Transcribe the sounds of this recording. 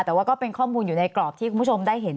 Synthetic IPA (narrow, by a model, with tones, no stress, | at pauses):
t̪ɛː˨˩waː˥˩kɔː˥˩pe˧nkʰɔː˥˩muː˧njuː˨˩na˧jklɔː˨˩p̚t̪i˥˩kʰu˧pʰo˧mdaː˥˩jɦe˩˦n